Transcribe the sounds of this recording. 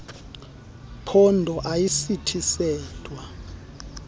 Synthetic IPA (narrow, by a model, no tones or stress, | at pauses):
pʰɔndʱɔʔajisitʰisɛːd̥ʱwa